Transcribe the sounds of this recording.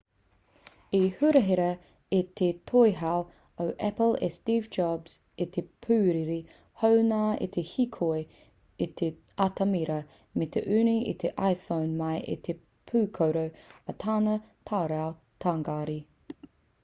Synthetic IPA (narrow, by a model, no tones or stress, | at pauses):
ihʉɾəɦɛɾə | et̪ʰet̪ʰojɦaw | əwʔɛpəlḛst̪iːvd͡ʒɑbz̥ | et̪ʰepʰʉːɾiɾi | hownaːḛt̪ʰehikʰoj | et̪ʰe | at̪ʰəmiɾə | met̪ʰeʔʉːniḛt̪ʰeʔajfownmajʔḛt̪ʰe | pʰʉːkʰowɾəwət̪ʰaːnə | t̪ʰaːɾaw | t̪ʰaŋɡaːɾi